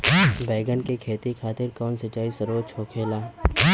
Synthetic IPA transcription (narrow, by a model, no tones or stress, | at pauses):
bɛːɡəɳkekʰeːt̪ikʰaːt̪ɪɾkɔːnsɪt͡ʃaːisəɾoːt͡ʃʰoːkʰeːlaː